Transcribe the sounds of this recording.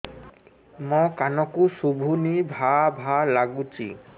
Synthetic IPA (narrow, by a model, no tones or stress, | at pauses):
mɔkanɔkusubʱunibʱabʱalaɡut͡ʃḭ